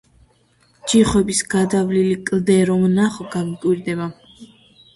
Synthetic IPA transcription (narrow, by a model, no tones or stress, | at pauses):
d͡ʒiχwɛbisɡ̥ad̪avlilikʼld̪ɛɾɔmnaχɔɡavkʼwiɾd̪ɛba